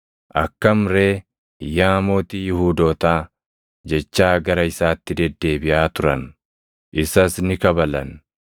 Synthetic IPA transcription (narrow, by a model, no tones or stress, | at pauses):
ʔɐkːɐmɾe̞ː | jaːmo̞ːt̪iːjɪhuːd̪o̞ːt̪aː | d͡ʒɛt͡ʃːaːɡɐɾɐɪsaːt̪ːɪd̪ɛd̪ːe̞ːbɪʔaːt̪ʊɾɐn | ʔɪsɐsnɪkɐbɐlɐn